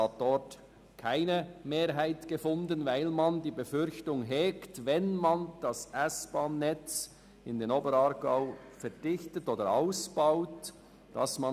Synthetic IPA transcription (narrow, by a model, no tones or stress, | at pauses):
ɑt̚d̥ɔɾt | kʰaɪnəmeːɾɦaɪtɡ̥əfʊndənvaɪlmɑndiːbəfʏɾçtʊŋɦɛːktvɛnmɑnd̥ɑsʔasb̥ɑːnːɛt͡s | ɪndeːnoːbəɾɑɾɡ̥aʊfɛɐd̥ɪçtətoːdəɾaʊsb̥aʊt | d̥ɑ̰smɑ